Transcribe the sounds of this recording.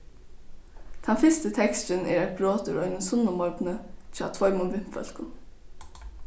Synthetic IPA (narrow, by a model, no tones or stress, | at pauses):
t̪ʰɛnfɪst̪ət̪ʰɛkst̪ənʔɛ̰ːɾæt̪̚bɾoːt̪ʉɾœʏnənsʊnəmɔɹbnət͡ʃɑ̰ːt̪ʰvɔʏmʊnʋɪm̥fœ̰l̥kʊn